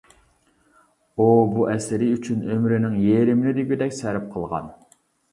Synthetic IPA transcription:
ubuʔɛsɪɾɪyt͡ʃʰynømɾɪnɪŋjeɾɪmlɪd̪ɪbʲid̪ɛkʲsæɾɪp̚qʰəlˠʁɑ̰n

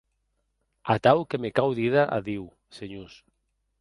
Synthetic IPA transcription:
at̪awkemekawðiðaʔa̰ðiw | seɲus

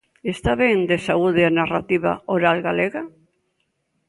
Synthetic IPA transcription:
est̪aβend̪esaɣuð̞eanara̰t̪iβa̰oɾalɣaleɣa

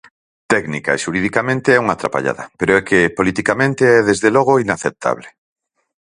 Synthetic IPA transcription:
t̪ɛknikaeʃuɾiðikamẽnt̪eɛuŋat̪ɾa̰pa̰ʎa̰ðɐpeɾoɛkʰepolit̪ikamẽnt̪eɛðezðelɔɣ̞oinaθep̚t̪ʰa̰βle

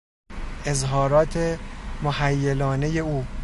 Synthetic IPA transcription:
e̞zɦɒːɾɒːt̪ʰemohæjːelɒːne̞je̞uː

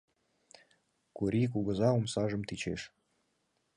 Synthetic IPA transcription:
kuɾʲik̬uɣɤ̆zɑumsɑʒɤ̆mt̪it͡ɕeʃ

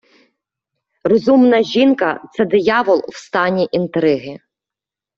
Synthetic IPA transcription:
rɔzumnɐʒʲinkɐt̪sɛd̪ɪjɑʋɔlˠwst̪ɑnʲiʔint̪ɾɪɦɪ

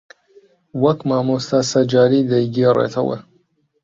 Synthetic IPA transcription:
wɐkmaːmust̪aːsɐd͡ʒaːɾid̪ɐjɡeːrḛt̪ʰɐ̰wɐ̰

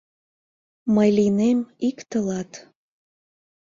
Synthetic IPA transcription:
məjlinemikt̪əlɑt̪

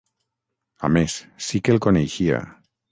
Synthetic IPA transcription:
a̰messikelˠkonejʃia̰

